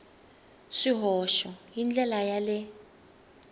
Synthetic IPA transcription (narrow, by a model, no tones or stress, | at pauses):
ʂiɦɔʃɔjind͡ɮɛlajalɪ